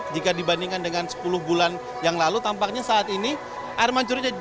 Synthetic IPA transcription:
d͡ʒikadibandiŋkandəŋansə̥pulʊhbulan | jaŋlalut̪ampak̚ɲasaːt̪ini | ʔarmaɲt͡ʃuɾd͡ʒa

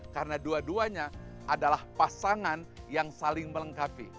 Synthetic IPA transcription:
kaɾənaduaduaɲaʔadalahpasaŋanjaŋsalɪŋmələŋkapḭ

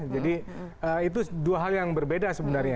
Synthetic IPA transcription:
d͡ʒadi | əit̪̬uduaɦaljaŋbərbedasəbənarɲa

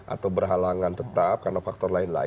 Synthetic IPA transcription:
ʔa̰t̪awbərɦalaŋant̪ət̪ap̚karnafak̚t̪ɔrlaɪnla̰

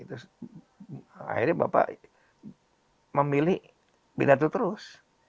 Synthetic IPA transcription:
t̪ʊs | a̰irɲaba̰pa̰ʔ | məmilɪh | bidat̪ut̪əɾʊs

